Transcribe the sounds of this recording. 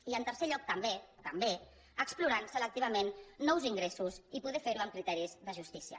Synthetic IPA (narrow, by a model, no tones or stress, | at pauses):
iənt̪əɾseʎɔk̚t̪əmet̪əmbe | əkspluɾansələk̚t̪iβəmenːɔwziŋɡɾesuzipuðɛfeɾuəmkɾit̪ɛɾizðəʒust̪isiə̰